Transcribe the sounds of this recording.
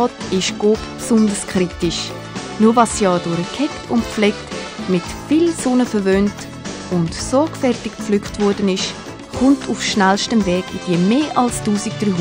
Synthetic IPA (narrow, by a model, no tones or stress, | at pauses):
ɔːtɪʃɡ̥oːppsʊndəskχɾitɪʃ | nuːvɑsjɑːdʊɾəkʰɛktʊntflɛkt | mɪtfilsʊnəfəɾvøːnt | ʊntsɔkfɛrtɪkpp͡flykχtvɔɾdənɪʃ | χʊntʰufʃnælʃtəmvɛːɡɪd̥iəmeːʔɑlstuːsɪk̚d̥ɾyː